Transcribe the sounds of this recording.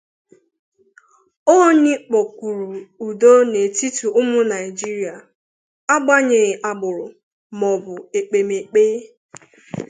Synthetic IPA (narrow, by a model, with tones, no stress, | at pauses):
o˦ɲɪ˦k͡pɔ˨kʷu˨ɾu˨u˨do˦ne˨ti˦tu˨ʔʊ˦mʊ˦na˨ɪ˨d͡ʒi˦ɾi˨a˨ | a˦ɡ͡ba˦ɲe˨ɣɪ˨ʔa˨ɡ͡bʊ˨ɾʊ˨ | mɔ˨bʊ˨e˨k͡pe˨me˨k͡peː˦